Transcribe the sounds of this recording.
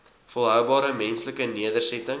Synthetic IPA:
folˠɦœwbɑːɾəmɛnsləkəniədərsɛtəŋ

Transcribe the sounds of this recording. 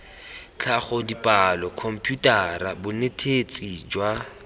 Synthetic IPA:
t͡ɬʰaχɔdipʼalɔkʰɔm̩pʰʼjutʼarabʊnetʰet͡sʼid͡ʒwa

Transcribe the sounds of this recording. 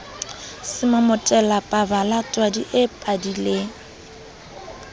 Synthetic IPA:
sɪmamʊtʼɛlapʼabalatʼwadiʔɪpʼadileŋ̩

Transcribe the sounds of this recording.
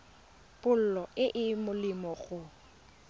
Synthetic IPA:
pʊl̩lɔɪʔɪmʊlɪmɔɣʊ

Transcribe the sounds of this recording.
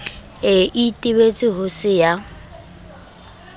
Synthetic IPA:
ɪʔitʼɪbet͡sʼɪɦʊsɪja

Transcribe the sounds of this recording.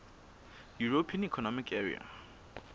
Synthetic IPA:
juɹopʰiə̃nikʰɔnɔmɪkʰɛɹḭa̰

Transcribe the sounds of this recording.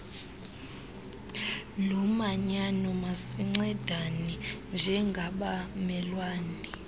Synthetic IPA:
lɔmaɲanɔmasiŋ͡ǀɛd̥ʱanind͡ʒʱɛŋɡʱaɓamɛlwaːni

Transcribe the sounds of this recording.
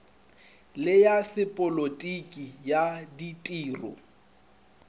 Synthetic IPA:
lɪjasɪpʼɔlotʼikʼijaditʼiːrɔ̰

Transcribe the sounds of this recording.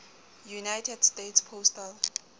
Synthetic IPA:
junajtʰɛdstetspʰostal

